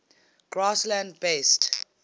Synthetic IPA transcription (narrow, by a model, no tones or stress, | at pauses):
ɡ̥ɹaslãndbest